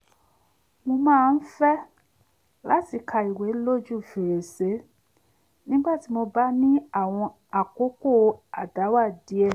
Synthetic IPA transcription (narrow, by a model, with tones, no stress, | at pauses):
mõ˧mãː˦˧n̩˦fɛ˦ | la˦ti˦˧˨kʰa˧i˨we˨˦lo˦d͡ʒu˦˨fe˨ɾe˨se˨˦ | nĩ˦ɡ͡ba˦˨ti˨˦mo˧ba˦nĩ˦a˦˨w̃ɔ̃˧ | a˨ko˨˦ko˦˨a˨da˨˦wa˦˨di˨˦ɛ˦˨